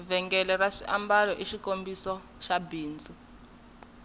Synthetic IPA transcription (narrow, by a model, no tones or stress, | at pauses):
vɛŋɡɛlɛraʂiʔambalɔʔiʃikombisɔ | ʃabiːnd͡zu